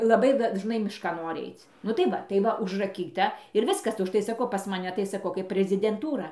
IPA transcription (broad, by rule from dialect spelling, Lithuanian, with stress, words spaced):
lˠɐˈbɐɪ dɐʒˈnɐɪ mʲɪʃˈkɐn ˈnoːrʲɪ ˈɐɪt͡s nʊ tɐɪ ˈʋɐ tɐɪ ˈʋɐ ʊʒrɐˈkʲiːtɐ ɪr ˈʋʲɪskɐs ʊʃˈtɐɪ sɐˈkɐʊ pɐs mɐˈnʲɛ tɐɪ sɐˈkɐʊ kɐɪp pʲrʲɛzʲɪdʲɛnˈtuːrɐ